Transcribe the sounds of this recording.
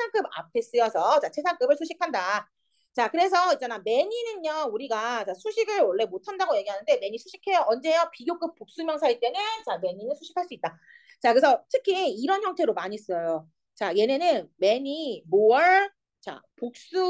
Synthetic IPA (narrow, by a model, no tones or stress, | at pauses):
sʰaŋk͈ɯba̰pʰe̞s͈ɯjʌsʰʌt͡ɕat͡ɕʰesʰaŋk͈ɯbɯɭsʰoɕʰikʰanda | t͡ɕakɯɾe̞s̬ʰʌit͡ɕ͈aname̞ɲinɯnɲʌuɾiɡat͡ɕasʰuɕʰiɡɯɭwʌɭːe̞motʰandaɡoje̞ɡiɦanɯnde̞me̞ɲisʰuɕʰi̥kʰe̞joʌnd͡ʑe̞jʌpiɡjok͈ɯp̚p͈ok̚s͈umjʌŋsʰait͈e̞net͡ɕame̞ɲinɯnsʰuɕʰi̥kʰaɭs͈uit͈̚a | t͡ɕakɯesʰʌtʰɯkʰiiɾʌnçjʌŋtʰe̞ɾomaɲis͈ʌjo | t͡ɕaje̞nenɯnme̞ɲimoʌɭ | t͡ɕa̰pok̚s͈u